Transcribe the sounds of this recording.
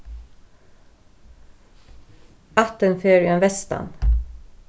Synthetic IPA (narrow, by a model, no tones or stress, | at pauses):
ɑt̪ənføːɹeːnʋɛst̪ɑ̰n